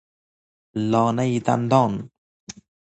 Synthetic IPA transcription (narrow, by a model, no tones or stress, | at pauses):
lɔnajt̪a̰nt̪ɔn